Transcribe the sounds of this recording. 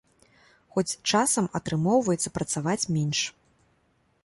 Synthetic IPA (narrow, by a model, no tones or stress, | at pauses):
xɔt͡sʲt͡ʂasɐmɐt̪ɾɨmɔwvɐjɛt̪sːɐpɾɐt̪savat͡sʲmʲɛnʂ